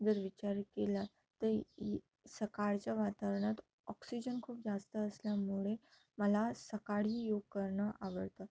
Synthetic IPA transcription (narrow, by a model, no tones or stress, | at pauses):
d͡zəɾʋit͡ɕaɾkela | t̪əɾ | səkaɾt͡ɕjaʋat̪aʋɳat̪ | ɔksid͡ʑənkʰuːp̚d͡zast̪əːsljamuɭe | məlasəkaɽiːjoɡ̚kəɾɳəʔaʋəɽt̪ə